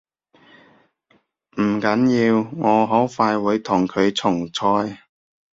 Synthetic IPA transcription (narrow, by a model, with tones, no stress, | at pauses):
mm̩˨˩kɐ˨˥njiː˧wŋɔː˨˧ɦɔː˨˥wfaː˧jwuː˨˧jt̪ʰʊ˨˩ŋkʰɵ˨˧ɥt͡sʰʊ˨˩ŋt͡sʰɔː˧j